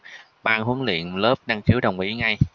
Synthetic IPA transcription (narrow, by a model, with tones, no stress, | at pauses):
ɓaː˧nɦə˨˦ənlḭ˧˨ənləː˦˥p̚na˧ŋxi˨˦əwɗə̰˨˩wŋ͡mʔi˨˦ŋa˧j